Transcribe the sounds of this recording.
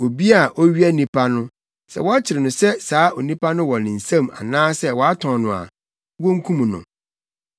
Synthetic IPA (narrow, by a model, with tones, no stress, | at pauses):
o˨bi˦a˦˨ʔo˦ɥi˦a˦nĩ˦pʰa˦nʊ̃˦ | sɛ̰˨wɔ˦a˦t͡ɕʰɪ˨ɾɪ˨nʊ̃˨sɛ˦saː˨˦o˨nĩ˦pʰa˦nʊ̃˦wɔ˨nɪ̃˨n̩˨sã˦ma̰˨nãː˦sɛ˦wɔ˨a˦tʰɔ̃˨nʊ̃˨a̰˨ | wõ˦ŋ̩˦kʰũ˦mũ˨nʊ̰̃˨